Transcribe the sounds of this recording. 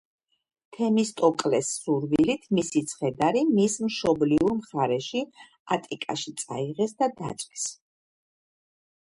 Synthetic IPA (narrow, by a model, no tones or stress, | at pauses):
t̪ʰɛmist̪ʼɔkʼlɛsːuɾvilit̪ʰmisit̪sʰχɛd̪aɾimismʃɔbliuɾmχaɾɛʃi | at̪ʼikʼa̰ʃit̪sʼa̰iʁɛsd̪ad̪a̰t̪sʼvis